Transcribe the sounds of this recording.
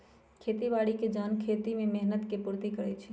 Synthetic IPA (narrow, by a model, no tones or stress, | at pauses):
kʰeːt̪iʋaːɽiked͡ʒaːnkʰeːt̪imẽmɛɦnət̪kepuɾt̪ikəɽɛt͡ʃʰi